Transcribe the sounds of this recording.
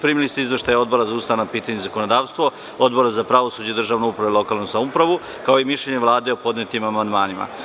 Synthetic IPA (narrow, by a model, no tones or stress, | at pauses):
pɾimilist̪izʋeʃt̪ajao̞d̪bo̞ɾazaust̪aʋanapiːt̪aɲezako̞nod̪aːʋst̪ʋo̞ | od̪bo̞ɾazapɾaʋosuːd͡ʑeid̪rʒaːʋnoupɾaʋelo̞kaːlˠnusamoupɾaʋu | kao̞imiʃʎeɲe̞ʋlˠaːd̪eopo̞d̪net̪imamand̪maːnima̰